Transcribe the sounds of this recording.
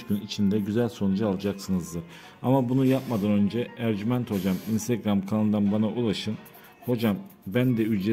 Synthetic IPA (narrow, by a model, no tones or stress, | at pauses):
ɟynit͡ʃʰind̪ɛɟyzælʲso̞nud͡ʒaalˠad͡ʒaksɯnɯzd̪ɯɾ | a̰mabunujap̚mad̪anønd͡ʒɛæɾɟymænt̪ho̞d͡ʒaminst̪eɡɾamkʰanɯnd̪anbanaʔulˠaʃɯn | ho̞d͡ʒambænd̪ɛyd͡ʒe